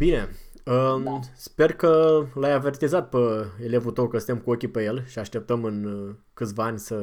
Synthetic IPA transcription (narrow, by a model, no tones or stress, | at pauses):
b̥ine̞ | əspe̞rkəlajave̞rt̪izat̪̚pəe̞le̞vut̪owkəsɨnemkuo̞kʲipeje̞lʃiaʃt̪e̞p̚t̪əmɨn | kɨt̪sʲvaanʲsə